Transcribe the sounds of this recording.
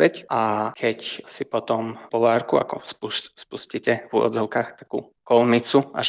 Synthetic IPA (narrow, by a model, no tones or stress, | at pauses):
ɛcakʰɛcsipɔt̪ɔmpɔʋaːɾkua̰kɔ̰spuspuscicɛvuɔ̰d̪d͡zɔʊkaxt̪ḁkṵː | kɔlmit͡sua̰ʃ